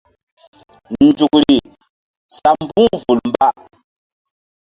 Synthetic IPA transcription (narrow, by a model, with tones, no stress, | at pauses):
n̩˨d͡ʒu˨k̚ɾi˨ | sa˨m˦bũ˦vu˨lm̩˦ba˦ʔ